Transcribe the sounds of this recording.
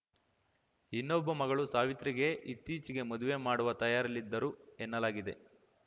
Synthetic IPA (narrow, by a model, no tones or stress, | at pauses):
inːobːɐmɐɡɐɭusaːʋit̪ɾiɡe̞ʔit̪ːiːt͡ʃiɡe̞mod̪uʋe̞maːɽuʋɐt̪ɐjaːɾɐlːid̪ːɐɾuɛnːɐlaːɡid̪e̞̰